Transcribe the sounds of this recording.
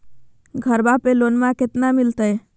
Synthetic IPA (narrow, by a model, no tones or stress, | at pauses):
ɡʱəɾbapelonmãket̪namilt̪əj